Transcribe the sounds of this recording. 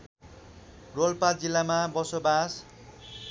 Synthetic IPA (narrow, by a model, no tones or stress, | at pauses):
rolpad͡zilːamabʌsobas